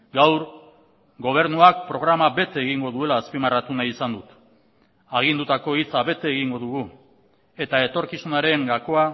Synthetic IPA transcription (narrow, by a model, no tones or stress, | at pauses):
ɡawɾ | ɡo̞β̞e̞ɾnuak̚pɾo̞ɣɾamabe̞t̪eːɣiŋɡo̞ðue̞laːspimarat̪unaisand̪ut̪ | aɣ̞ind̪ut̪ako̞it͡saβe̞t̪eːɣiŋɡo̞ðuɣu | e̞t̪ae̞t̪o̞ɾkisunaɾe̞ŋɡako̞a